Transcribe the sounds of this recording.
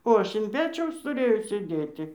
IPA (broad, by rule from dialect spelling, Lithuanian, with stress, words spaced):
oː ˈɐʃ ɪn ˈpʲæːt͡ʃʲɛʊs tʊˈrʲeːjɛʊ sʲeːˈdʲeːtʲɪ